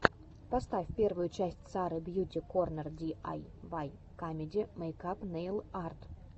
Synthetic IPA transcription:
pɐst̪afʲfʲpʲe̞rvʊjʊt͡ɕæsʲtʲsaɾɨbjutʲɪko̞rnərdʲia̰jvaj | kamʲɪdʲɪməɪkapnejlˠart̪

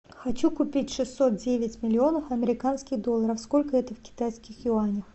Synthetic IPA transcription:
xɐt͡ɕukʊpʲitʲʂɨsːo̞t̪̚dʲevʲɪtʲmʲɪlʲɪo̞nəfɐmʲɪɾʲɪkanskʲɪɣd̪o̞lˠːəɾəfsko̞lʲkəɛt̪əfkʲɪ̥t̪ajskʲɪxjʊanʲɪx

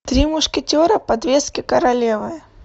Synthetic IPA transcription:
t̪ɾʲimʊʂkʲɪtʲoɾəpɐd̪vʲeskʲɪkəɾɐlʲevɨjə

